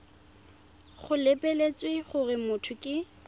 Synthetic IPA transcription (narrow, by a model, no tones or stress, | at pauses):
χʊlepʼelet͡sʼwɪχʊrɪmʊtʰʊkʼɪ